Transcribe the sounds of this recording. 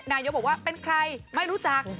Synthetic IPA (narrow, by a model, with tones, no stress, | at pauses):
naː˧jo˦˥p̚bkwaː˥˩pe˧nkʰɾa˧jma˥˩jɾuː˦˥t͡ɕa˨˩k̚